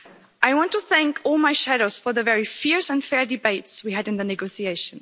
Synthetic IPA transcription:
ʔaɪwɑ̃ntuθæ̃ŋkʰɔlˠmaɪʃæɾoʊz̥fə˞ðɨvɛɹifiɹsɨ̃ndfɛɹdɨbeɪtswiɨɾɨ̃nðɨnɨɡoʊsieɪʃɨ̃n

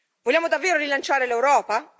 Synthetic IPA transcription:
volːjaːmod̪avːeːɾoɾilant͡ʃaːɾelewɾɔːpa

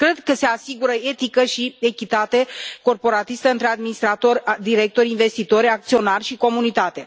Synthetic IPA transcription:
kɾe̞d̪kəse̞asiɡuɾəe̞t̪ikəʃie̞kʲit̪at̪e̞ko̞rpo̞ɾat̪ist̪əɨnt̪ɾead̪minist̪ɾat̪o̞rʲd̪iɾek̚t̪o̞ɾinve̞st̪it̪o̞ɾʲak̚t̪sio̞narʲʃiko̞munit̪at̪e̞

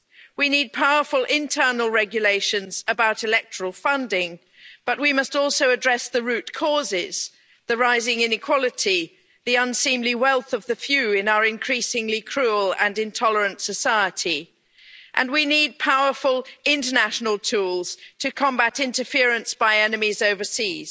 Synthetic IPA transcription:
winid̚pʰaʊə˞fəlˠʔɪ̃ntʰɜ˞nl̩ˠɹɛɡjɨleɪʃɨ̃nzəbaʊɾɨlɛk̚tʰə˞əl̩ˠfʌ̃ndɪ̃ŋ | b̥ʌʔ̚wimʌstɔˑlˠsoʊədɹɛsðəɹʉt̚kʰɔzɪz̥ | ðɨɹaɪzɪ̃ŋɪ̃nɨkʰw̥ɑlˠɨtʰi | ðiʌ̃nsĩmliwɛlˠθʌvðɨfjʉɪ̃naʊə˞ɨ̃nkʰɹ̥isɪ̃ŋlikʰɹ̥uəlˠə̰̃nɨ̃ntʰɑlˠə˞ɨ̃ntsɨsaɪəɾi | ʔɨ̃nwinid̚pʰaʊə˞fəlˠɪ̃ntənæʃn̩əl̩ˠtʰulˠz̥tʰɨkʰɑ̃mbæɾɪ̃ntəfɪɹɨ̃nsb̥aɪɛnɨmizoʊvə˞siz̥

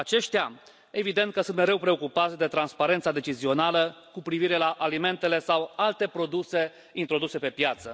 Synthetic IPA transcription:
at͡ʃe̞ʃt̪ea | e̞vid̪e̞nt̪̚kəsunt̪me̞ɾe̞wpɾe̞o̞kupat̪sʲd̪e̞t̪ɾanspaɾent̪sad̪e̞t͡ʃizio̞naləkupɾiviɾe̞laʔalime̞nt̪e̞le̞sawalt̪e̞pɾo̞d̪use̞ | int̪ɾo̞d̪use̞pe̞pjat̪sə

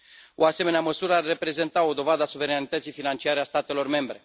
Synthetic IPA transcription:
o̞ase̞me̞neaməsuɾəarːe̞pɾe̞ze̞nt̪ao̞d̪o̞vad̪əasuve̞ɾanit̪ət̪sijfinant͡ʃiaɾe̞ast̪at̪e̞lo̞rme̞mbɾe̞

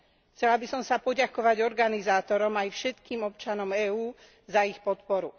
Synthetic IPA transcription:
t͡sɛlabisɔmsapɔɟakɔʋaɟɔɾɡanizaːt̪ɔɾɔmajfʃɛt̪kiːmɔp̚t͡ʃanɔmɛːuː | zaixpɔt̪pɔɾu

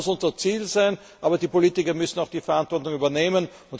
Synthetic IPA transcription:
ʊsʊnzɐt͡siːlzaɪn | ʔaːbɐdiːpoliːtɪkɐmʏsn̩aʊxd̥iːfɛɐantv̥ɔɐtʊŋyːbɐneːmənʊnt

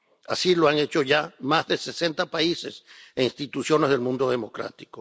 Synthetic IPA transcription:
asiloaŋe̞t͡ʃo̞ʝamazðese̞se̞nt̪apaise̞seinst̪it̪usjo̞nezðe̞lmũnd̪o̞ð̞e̞mo̞kɾa̰t̪i̥ko

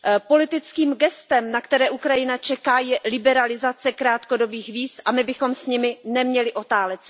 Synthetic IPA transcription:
po̞lɪt̪ɪt͡skiːmɡɛst̪ɛmnakt̪ɛɾɛːʔukɾajɪnat͡ʃɛkaːjɛlɪbɛɾalɪzat͡sɛkɾaːt̪ko̞do̞biːxviːsʔamɪbɪxo̞msɲɪmɪnɛmɲɛlɪʔo̞t̪aːlɛt͡s

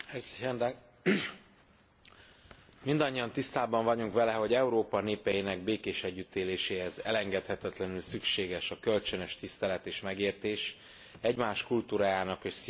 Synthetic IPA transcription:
ɛzɛnd̪ | mind̪ɒɲːiɒnt̪ist̪aːbɒɱvɒɟuŋkʋɛlɛɦo̞ɟɛuɾoːpɒneːpɛjinɛɡ̚beːkeːʃɛɟːyt̪ːeːleːʃeːhɛzɛ̰lɛŋɡɛt̪hɛt̪ɛt̪lɛnylsykʃeːɡɛʃɒkø̞lt͡ʃønøʃt̪ist̪ɛlɛt̪eːʃmɛɡeːrt̪eːʃ | ɛɟmaːʃkult̪uːɾaːjaːnɒkeːʃs

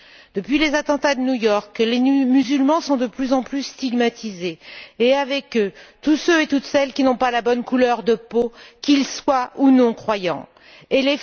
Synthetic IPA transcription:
d̪̥əpɥilezat̪ɑ̃t̪ad̪ənujɔʁklemyzylmɑ̃sɔ̃d̪əplyzɑ̃plysːt̪iɡmat̪izeːavɛkøt̪usøet̪ut̪sɛlkʲinɔ̃palabɔnkulœʁd̪əpokʲilswaunɔ̃kχwajɑ̰̃ | ele

